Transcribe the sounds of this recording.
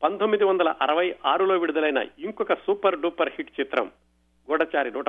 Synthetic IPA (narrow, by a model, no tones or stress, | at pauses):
pɐnt̪omːid̪iʋɐnd̪ɐlɐʔɐɾɐʋɐjʔaːɾulo̞ːʋiɽud̪ɐlɐjnɐ̰iŋkɔkɐsuːpɐɾɖuːpːɐɾhiʈt͡ʃit̪ɾɐ̰m | ɡɔɽɐt͡ʃaːɾinuːʈ